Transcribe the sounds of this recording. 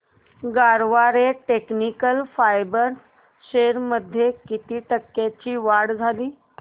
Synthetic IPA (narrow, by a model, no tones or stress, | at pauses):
ɡaɾʋaɾeʈeknikəlfajbəɾs | ɕeɾməd̪ʱːjekit̪iːʈəkːet͡ɕiːʋaɽd͡zʱaliː